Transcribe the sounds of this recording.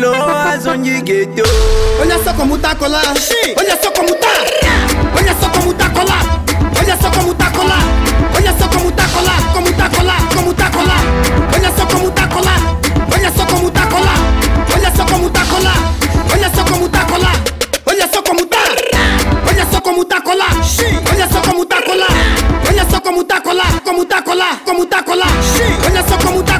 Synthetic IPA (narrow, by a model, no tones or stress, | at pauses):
loazoɲd͡ʒiɡetoolasɔkɔmut̪akɔlaolasɔkɔmut̪a | oɲasɔkɔmut̪akɔlaoɲasɔkɔmut̪akɔlaoɲasɔkɔmut̪akɔlakɔmut̪akɔlakɔmut̪akɔlaolasɔkɔmut̪akɔlaolasɔkɔmut̪akɔlaolasɔkɔmut̪akɔlaolasɔkɔmũt̪akɔlaolasɔkɔmut̪a | olasɔkɔmut̪akɔlaolasɔkɔmut̪akɔlaolasɔkɔmut̪akɔlakɔmut̪akɔlakɔmut̪akɔlaolasɔkɔmut̪a